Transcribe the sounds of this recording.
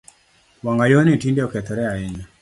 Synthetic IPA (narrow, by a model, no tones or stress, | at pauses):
waŋɡajonitindeɔkɛt̪ɔɾɛaɛɲa